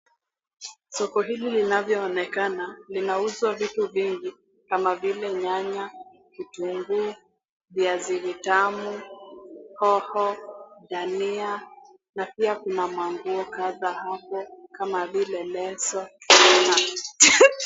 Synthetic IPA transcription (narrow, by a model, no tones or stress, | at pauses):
sɔkɔɦililinavjɔːnɛkanalinauzwavituviŋɡi | kamavilɛɲaɲa | kituŋɡu | ðiazivitamu | hɔhɔɗania | napiakunamwaŋɡuɔkaðahapɔkamavilɛlɛsɔɛna